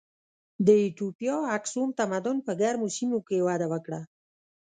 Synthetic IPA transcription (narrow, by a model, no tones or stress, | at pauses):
d̪əiʈ̪upijɑaksumt̪amad̪ʊnpəɡaɾmusimokewɑd̪awəkɽa